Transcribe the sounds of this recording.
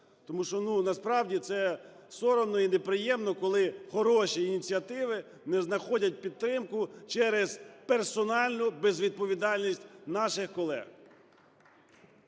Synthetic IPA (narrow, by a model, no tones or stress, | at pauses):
t̪ɔmuʃt͡ʃɔnunɐspɾɑwdʲit̪sɛ | sɔɾɔmnɔinepɾɪjɛmnɔkɔlˠɪxɔɾɔʃiːnʲit͡sʲiɐt̪ɪʋɪ | nɛznɐxɔdʲɐt̚ʲpʲid̪̚t̪ːɾɪmkʊt͡ʃɛɾez̥persɔnɑlʲnʊbezʋʲid̪̚pɔʋʲid̪ɑlʲnʲisʲtʲnɑʃɪxkɔlˠɛ̰ɣ